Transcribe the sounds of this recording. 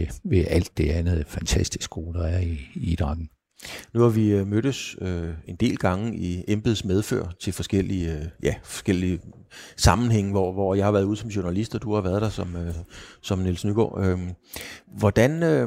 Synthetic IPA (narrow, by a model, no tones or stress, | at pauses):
ʋeʔæl̰d̥ːe̝ænð̩ˠæfænt͡sʰæsd̥isɡ̥o̝ːd̥ɑæɐiid̥ʁɑŋ̥n̩ | nuhɑ̈ʋimøɾ̥əsøe̝nd̥e̝̰ːlɡ̥ɑ̈ŋəiemb̥ð̩ˠsmeð̞ˠfø̰ɐ̰t͡sʰe̝lfɒ̽sɡ̥el̰ijæfɒ̽sɡ̥el̰i | sɑ̈mn̩ɦeŋ̰əʋɒʋɒjɑ̈hɑ̈ʋæɐðuːð̞̩ˠsɒ̽mɕo̝nælisd̥ɒd̥uhɑ̈ʋæɐðˠd̥ɑ̈sɒ̽møsɒ̽mnelsnyɡ̥ɒ̰ːø | ʋɒd̥ænø